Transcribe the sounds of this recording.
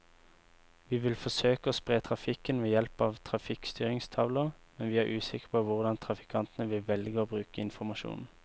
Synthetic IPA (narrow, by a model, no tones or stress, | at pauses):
ʋiːʋɪlfɔsøːkəoːspʁeːt̪ʰʁɑfɪkənʋeːjɛlpɑʋt̪ʰʁɑfɪkst̪yːʁɪŋst̪ʰɑʋləʁmɛnʋiːæːʔʉːsɪkə̥ʁpʰɔʋʊʁd̪ɑnt̪ʰʁɑfɪ̥kʰɑnt̪ənəʋɪlʋɛlɡəoːbʁʉːkəɪnfɔʁmɑʃṵːnn̩